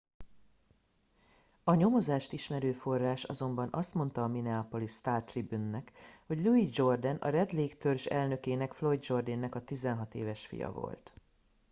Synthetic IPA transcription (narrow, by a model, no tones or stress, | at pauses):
ɒɲo̞mo̞zaːʃt̪iʃmɛɾøːfo̞rːaːʃɒ̰zo̞mbɒnʔɒst̪mo̞nt̪ɒːminɛaːpolist̪aːrt̪ribynːɛkho̞ɟluid͡ʒo̞rd̪ɛnɒ̰ɾɛd̪leːkt̪ørʒɛlnø̞keːnɛkflo̞jd̪d͡ʒo̞rd̪iːnːɛkɒt̪izɛnɦɒt̪eːvɛʃfḭjɒ̰vo̰lt̪